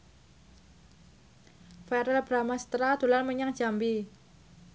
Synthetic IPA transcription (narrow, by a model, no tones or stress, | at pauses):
fɛɾɛlb̥ɾamasə̥t̪ɾad̪̥ṳlalməɲaŋd͡ʒ̥ambi